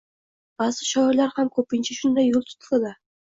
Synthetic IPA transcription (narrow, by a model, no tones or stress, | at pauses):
b̥azɪʃɒɪɾlaɾhamkʰɵpɪnt͡ʃʰaʃʊnd̪ajːolˠt̪ʰʊ̥t̪lɪd̪a